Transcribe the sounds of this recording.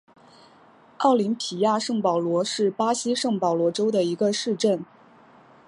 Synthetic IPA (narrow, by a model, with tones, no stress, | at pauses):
ɑ˥˩ʊli˧˥npʰi˨˩ja˥˧ʂɤ˥˩ŋpɑ˨˩ʊlwɔ˧˥ʂɻ̩˥˩pa˥ɕi˥ʂɤ˥˩ŋpɑ˨˩ʊlwɔ˧˥ʈ͡ʂo˥ʊd̪ə˨i˧˥ɡə˧ʂɻ̩˥˧ʈ͡ʂə˥˩n